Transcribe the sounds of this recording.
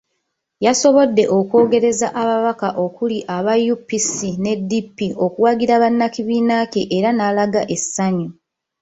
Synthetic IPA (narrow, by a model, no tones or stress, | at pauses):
jaso̞βo̞dːe̞ʔo̞kwo̞ːɡe̞ɾe̞zaʔaβaβakaʔo̞kuliʔaβajupːisine̞dːipːiʔo̞kuwaɡiɾaβanːakiβiːnakeʔeɾanaːlaɡaʔe̞sːaɲu